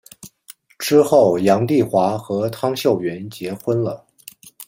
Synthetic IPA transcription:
ʈ͡ʂɻ̩˥xo˥˩ʊjɑ˧˥ŋt̪i˥˩xwa˧˥xɤ˧˥t̪ʰɑ˥ŋɕjo˥˩ʊɥɛ˧˥nt͡ɕjɛ˧˥xwə˥nlə˨

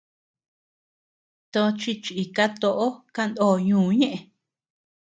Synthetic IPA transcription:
t̪o˧t͡ʃi˧t͡ʃi˨ka˦t̪o˧ʔo˦ka˦nd̪oː˦˨ɲũː˧˦˨ɲẽ˦ʔẽ˧

